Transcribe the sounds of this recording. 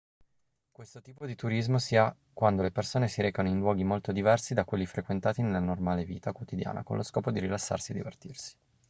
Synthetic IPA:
kwest̪ot̪iːpod̪it̪uɾizmosiːa | kwand̪olepersoːnesiɾeɛːkanoinlwɔːɡimolt̪od̪ivɛrsid̪akwelːifɾekwent̪aːt̪inelːanormaːleviːt̪akwot̪id̪ja̰ːnʔa̰ko̰nloskɔːpod̪iɾilasːa̰rsied̪ivḛrt̪irsi̥

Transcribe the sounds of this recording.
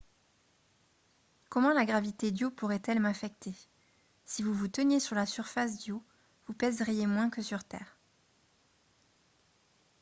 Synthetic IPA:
kɔmɑ̃laɡʁavit̪ed̪jopuʁɛt̪ɛlmãfɛk̚t̪e | sivuvut̪ənjesyʁlasyʁfas̬d̪jo | vupɛzʁijemwɛ̃kəsyʁt̪ɛ̰ːʁ

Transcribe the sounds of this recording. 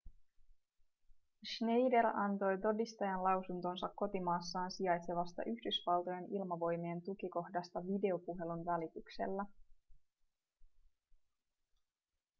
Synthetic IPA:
ʃne̞jde̞ɾɑnt̪o̞jt̪o̞dist̪ɑjɑnlɑwsunt̪o̞nsɑkːo̞t̪imɑːsːɑːnsiɑjt̪se̞ʋɑst̪ɑ̰ʔyçdysʋɑlˠt̪o̞je̞nilmɑʋo̞jmient̪uk̟iko̞hdɑst̪ɑʋide̞o̞puɦe̞lunʋælit̪ykse̞̰lːæ

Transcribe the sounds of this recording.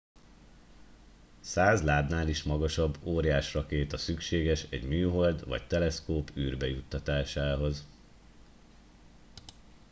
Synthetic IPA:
saːzlaːd̪naːliʃmɒɡɒʃɒbːoːɾjaːʃrɒkeːt̪ɒsykʃeːɡɛʃɛ̰ɟmyːɦo̞ld̪ʋɒ̰ct̪ɛlɛskoːpyːrbɛjut̪ːɒt̪aːʃaːɦo̞z

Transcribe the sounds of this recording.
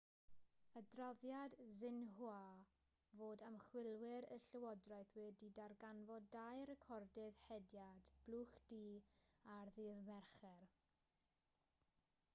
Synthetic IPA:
ədrɔðjadzɪnɦwa | voːdəmχwɪlˠwɪɾə̰ɬəwɔdrajθwɛdidarɡanvɔdajrɛkʰɔrdɪðhɛdjad̥b̥lˠuːχd̥iːarðɪðmɛrχɛr

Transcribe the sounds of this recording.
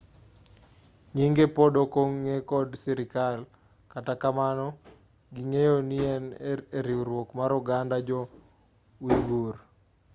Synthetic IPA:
ŋiŋɡepɔdokoŋːekɔdsɛɾɪkal | katakamanɔ | ɡiŋejoniɛneɾiwɾwokmaɾuɡandad͡ʒɔ | wiɡur

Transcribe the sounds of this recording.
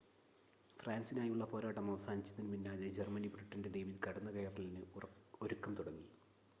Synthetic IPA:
fraːnsinaːjuɭːɐpo̞ːɾaːʈːɐmɐʋɐsaːnit͡ɕːɐðinɨminːaːðed͡ʑermɐnibriʈːɐnde̞d̪ejʋiðɨkɐɽɐnːɐkɐjɐrɳɐlinɨoɾukːɐmt̪uɽɐŋːi

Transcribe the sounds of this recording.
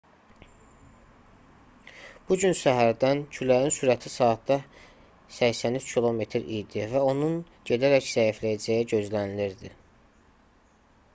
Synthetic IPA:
b̥uɟynsæɦæɾd̪æncʰylæjinsuːɾæt̪ʰisɑːt̪d̪ɑ | sæçsænyt͡ʃcʰilˠo̞me̞t̪ʰɾijd̪ivæo̞nun | ɟe̞d̪æɾæcz̥æjiflæjæd͡ʒæjiɟø̞zlæniliɾd̪i

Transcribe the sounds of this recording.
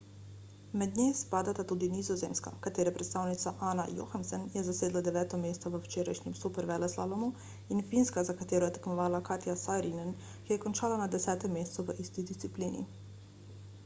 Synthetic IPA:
mɛd̪ɲespaːd̪at̪at̪ud̪inizɔzeːmska̰kat̪eːɾɛpɾɛt̪st̪aːwnit̪saʔaːna̰jo̰xansɛnjɛzaseːd̪lad̪ɛʋɛːt̪ɔmeːst̪ɔʋəwt͡ʃeːɾajʃɲimsupɛɾʋɛlɛslalɔmu | infinskazakat̪eːɾɔjɛt̪ɛ̥kmɔʋaːlakaɾt̪jasajɾinɛn | kijɛkɔnt͡ʃaːlanad̪ɛsɛːt̪ɛmːeːst̪suʋəʔist̪id̪ist̪ipliːnḭ

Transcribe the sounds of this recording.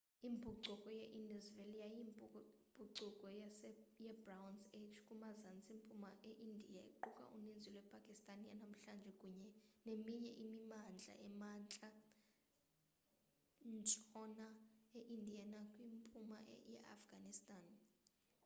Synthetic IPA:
imbʱuǀukʼɔjɛʔinduzvelijajim | b̥ʱuǃukʼɔjasjɛbrawnsetʰkʼumazant͡sʼimpʼumaʔeʔindʱijaḭǃukʼa̰ʔṵnind͡zʱilwɛpʰʼakʼistʼanja̰nam̩ɬand͡ʒʱɛkʼuɲɛnemiɲɛʔimimand͡ɮʱa̰ʔɛmant͡ɬʼa | nt͡ʃʼɔnaeʔindʱijanakʼwimpʼuma̰ʔjɛ̰ʔa̰fɡ̥anistʼan

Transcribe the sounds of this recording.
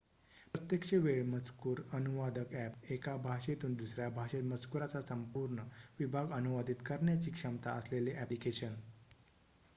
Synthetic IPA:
pɾət̪jəkʂeʋeɭmət͡skuɾənuʋad̪əkæpekabʱaʂet̪uːnd̪usɾjabʱaɕet̪mət͡skuɾat͡sasəmpuɾɳəʋibʱaɡənuʋad̪ʱit̪kəɾɳjat͡ɕiːkʂəmt̪aəsleleʔæplikeɕən

